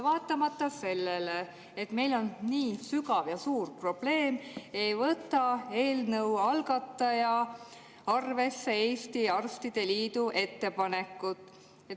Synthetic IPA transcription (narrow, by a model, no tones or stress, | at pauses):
vɑːt̪ːˑɑmɑt̪ːɑse̞lːele | et̪me̞jlo̞nniːsykɑvjɑsuːrpro̞b̥le̞ːme̞jvɤt̪ˑːɑe̞ːlnɤwɑlɡɑt̪ˑːɑjɑ | ɑrve̞sːee̞ːst̪iɑrst̪id̪̥e̞liːd̪uʔe̞t̪ːe̞pɑne̞kːˑut̪ːˑ | e